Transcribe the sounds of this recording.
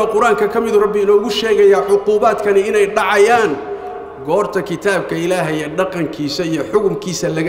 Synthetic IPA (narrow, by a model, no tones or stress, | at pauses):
ɔqʊɾaːŋkʰɐkʰɐmɪðʊrɐbːɪɪnɔːɣʊʃɛːɣɐjaːʕʊquːβaːd̪kʰɐnɪɪnɛjɖɑʕɑjaːn | ɡɔːrt̪ʰɐkʰɪt̪ʰaːb̚kʰɐɪlaːɦɐjɛɖɑqɑŋkʰiːsɐijɔħʊɣʊmkʰiːsɐlɐɣ